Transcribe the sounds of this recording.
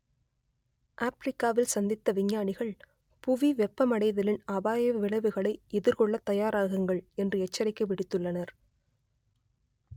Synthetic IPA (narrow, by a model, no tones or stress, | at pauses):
ʔaːpɾɪkːaːʋɪlsɐnd̪ɪt̪ːɐʋɪɲːaːɳɪɣɐɭ | pʊʋiʋɛpːɐmɐɽɐɪðɐlɪnaːbaːjɐʋɪɭɐʋɯɣɐɭɐɪɛðɪɾkɔɭːɐt̪ːɐjaːɾaːɣɯŋɡɐɭɛndrɯɛt͡ʃːɐɾɪkːɐʋɪɽɪt̪ːɯɭːɐnɐɾ